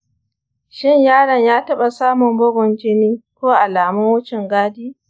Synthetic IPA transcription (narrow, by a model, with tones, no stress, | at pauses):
ʃɪ˦˨ɲjaː˦ɽɐ˨ɲjaː˦tɐ˦ɓa˨saː˦mʊ˨mbɔ˦ɡʷɔ˨nd͡ʒɪ˦niː˦kʷoː˦ʔa˨laː˨mʊ˦ŋwʊ˦t͡ʃɪ˨ŋɡaː˦diː˦